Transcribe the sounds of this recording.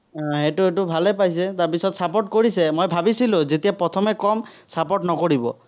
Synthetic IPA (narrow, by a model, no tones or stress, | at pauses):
ɔ̃ɦetʊetʊbʱalɛpajs̬ɛtaɹpisɔtsapɔʈ̚koɹisɛmojbʱabisilʊ̃zetijapɹɔt̪ʰɔmɛkɔmsapɔʈnɔkoɹibɔ̰